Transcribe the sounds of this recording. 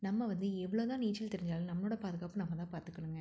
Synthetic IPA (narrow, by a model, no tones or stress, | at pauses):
nɐmːɐʋɐnd̪ɯɛʋːɐɭoːt̪ãːniːt͡ʃːɪlt̪ɛɾɪɲd͡ʒaːlnɐmːɐnoːɽɐpaːðɯɣaːpɯ̃nɐmːɐt̪ãːpaːɾt̪ɯkːɐɽɯŋɡɐ